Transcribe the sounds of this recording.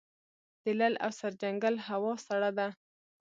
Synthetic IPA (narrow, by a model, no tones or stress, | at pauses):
d̪̥əlala̰wsaɾd͡ʒaŋɡalɦawɑsaɽad̪a